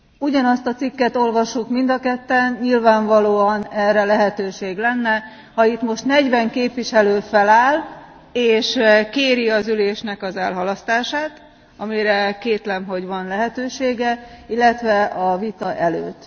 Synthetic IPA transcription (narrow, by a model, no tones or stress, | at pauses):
uɟɒnɒst̪ɒt̪sikːɛt̪o̞lvɒʃːukmind̪ɒkɛt̪ːɛnɲilvaːɱvɒloːɒnɛrːɛlɛɦɛt̪øːʃeːɡlɛnːɛ | hɒit̪mo̞ʃt̪nɛɟʋɛŋkeːpʋiʃɛløːfɛlaːl | eːʃkeːɾiɒzyleːʃnɛkɒzɛlɦɒlɒst̪aːʃaːt̪ | ɒmiɾɛkeːt̪lɛmɦo̞ɟʋɒnlɛɦɛt̪øːʃeːɡɛilːɛt̪ʋɛɒvit̪ɒʔɛlø̰ːt̪ː